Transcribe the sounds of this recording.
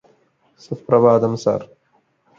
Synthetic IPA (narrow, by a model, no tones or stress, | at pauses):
sufpɾɐʋaːd̪ɐmsa̰r